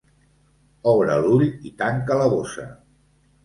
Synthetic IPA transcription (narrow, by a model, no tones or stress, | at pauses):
ɔβɾəluʎit̪aŋkələβosə̰